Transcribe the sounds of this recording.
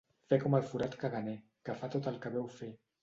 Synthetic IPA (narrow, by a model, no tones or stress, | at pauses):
fɛkɔməlˠfuɾat̪kəɣənɛ | kəfat̪ot̪əlˠkəβɛwfe